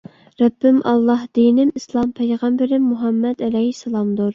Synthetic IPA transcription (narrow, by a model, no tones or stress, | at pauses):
ɾɛbːɪmʔɑlˠːɑhd̪̥ijnɪmislˠɑmpʰɛjʁɑmbɪɾɪmːuɦɑmːɛd̪ɛlɛhisːɛlˠɑmd̪uɾ